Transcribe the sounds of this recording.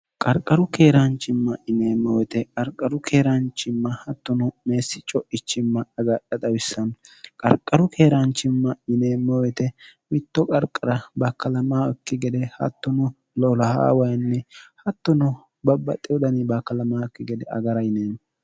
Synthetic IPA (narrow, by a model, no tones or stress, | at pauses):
kʼɐɾkʼːɐɾʊke̞ːɾɐnt͡ʃːɪmːɐʔɪneːmːɔwɛt̪ɛkʼɐɾkʼːɐɾʊkʰeːɾɐnt͡ʃːɪmːɐhɐt̪ːɔnɔme̞ːsːɪt͡ʃʼɔʔɪt͡ʃːɪmːɐɐɡɐɗɐd̪ɐwɪsːɐnkʼɐ̰ɾkʼːɐɾʊkʰe̞ːɾɐnt͡ʃːɪmːɐɪneːmːɔwɛt̪ɛmɪt̪ːɔkʼɐɾkʼːɐɾɐbɐkːɐlɐmaːɔkːɪɡɛd̪ɛhɐ̰t̪ːɔnʊ | lɔlɐha̰ːwɐjnːɛhɐt̪ːɔnʊ | bɐbːɐ̰t̪ʼɛwɔd̪ɐnibɐkːɐlɐmaːkːɪɡɛd̪ɛʔɐ̰ɡɐɾɐɪneːn